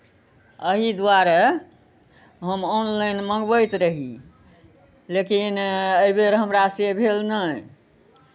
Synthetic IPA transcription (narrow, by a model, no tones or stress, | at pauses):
əɦid̪waɾa | ɦəmɔnlajnməŋɡbəjt̪ɾəɦi | lekinəjbeɾɦəmɾasebʱelnəj